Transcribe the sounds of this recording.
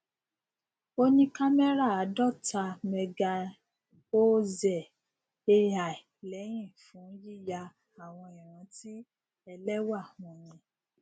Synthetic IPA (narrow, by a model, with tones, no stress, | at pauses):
o˦nĩ˦ka˦mɛ˦ɾa˦˨a˨˦dɔ˦˨ta˧mɛ˧ɡa˧ | o˦zɛ˨ | e˦˧a˨i˨lɛ˨˦j̃ĩ˦˨fũ˨˦ji˦˨ja˧ | a˨w̃ɔ̃˧i˨ɾ̃ã˨˦ti˦ | ɛ˧lɛ˦wa˦˨w̃ɔ̃˨jɛ̃˧